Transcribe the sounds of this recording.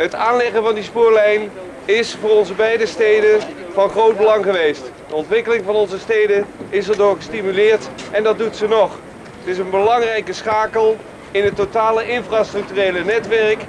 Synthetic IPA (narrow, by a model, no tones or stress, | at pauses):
ɦətaːnlɛχənvɑndispʊːɹlɛjn | ɪsfʊːrɔnzəbɛjdəstejdən | vɑnχrowd̚bəlɑŋχəʋejstdəɔntʋɪkəlɪŋvɑnɔnzəstejdəɪsɛɹdʊːɹχəstimylɪːɹtɛndɑd̚dutsənɔχ | ətɪsənbəlɑŋrɛjkəsχaːkəlˠ | ɪnɦətːotaːləʔɪnfraːstrɵk̚tyrejlənɛtʋɛrk